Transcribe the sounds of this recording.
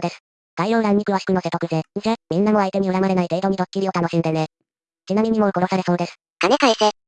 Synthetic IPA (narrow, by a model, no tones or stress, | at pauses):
d̪e̞sɨ̥ | d̪̥aiɾoːɾãɲ̟ːikɯ̟βaɕi̥kɯno̞se̞t̪okɯ̟seːsemʲĩnːamo̞ait̪e̞ɲ̟iɯɾamaɾe̞nait̪e̞ːd̪oɲ̟id̪okkʲiɾʲio̞t̪anoɕĩnd̪ene | t͡ɕinamʲiɲ̟imo̞ɯ̟koɾo̞saɾe̞so̞ːd̪e̞sɨ̥ | k̪amekaiseː